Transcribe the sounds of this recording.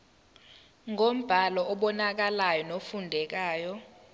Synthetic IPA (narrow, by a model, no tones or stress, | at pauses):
ŋom̩b̥ʱalɔɔɓɔnak̬alajɔnofundʱɛk̬aːjɔ